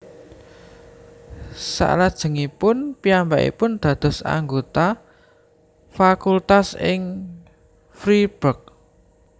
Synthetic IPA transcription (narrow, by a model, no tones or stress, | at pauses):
sa̰ʔlad̥ʒ̥ə̤ŋipʊnpiambaʔḭpʊnd̪̥ä̤d̪̥ɔ̤sa̰ŋɡot̪a | fakult̪asɪ̰ŋ | fɾib̥ə̤k̚